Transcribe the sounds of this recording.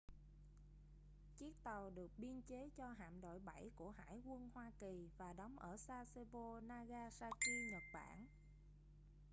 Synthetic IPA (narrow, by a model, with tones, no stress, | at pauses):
t͡ɕi˦˥ək̚t̪ə˨˩wɗɨ˨˩ək̚ɓi˧ənt͡ɕe˨˦t͡ɕɔ˧ɦa̰ː˧˨mɗo̰˧˨jɓa˧˩jku˧˩əɦa̰ː˧˥˨jkwə˧nhwaː˧ki˨˩vaː˨˩ɗɔ˨˦wŋ͡mʔəː˧˩saː˧se˧vo˧naː˧ɣaː˧saː˧ki˧ɲə˨˩t̚ɓa̰ː˧˩˨n